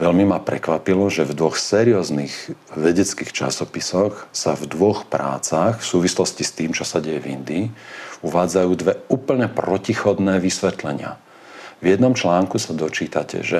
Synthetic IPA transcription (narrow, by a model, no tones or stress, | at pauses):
ʋɛʎmimapɾɛ̰kʋapilɔʒɛvd̪ʋɔxsɛːɾiɔːzniɣʋɛɟɛt͡skiːxt͡ʃa̰sɔpisɔxsavd̪ʋɔxpɾa̰ːt͡saxfsuːʋislɔscist̪iːmt͡ʃɔsaɟɛjɛvḭnd̪iːuʋaːd͡zajuːd̪ʋɛuːpl̩ɲɛpɾɔcixɔd̪nɛːʋisʋɛt̪lɛɲɪa̰ | vjɛd̪nɔmt͡ʃlaːŋkusad̪ɔt͡ʃiːt̪acɛ̰ʒɛ